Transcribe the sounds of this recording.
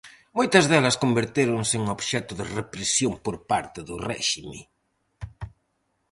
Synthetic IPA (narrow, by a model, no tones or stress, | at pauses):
mojt̪ɐzðɛlɐskombeɾt̪eɾʊŋseŋoβʃɛt̪ʊðɪrepɾesjompoɾpaɾt̪ɪðʊrɛ̰ʃimḛ